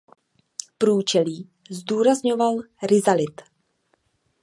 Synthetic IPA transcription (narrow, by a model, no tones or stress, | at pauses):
pɾuːt͡ʃɛliː | zduːɾazɲovalɾɪzalɪt̪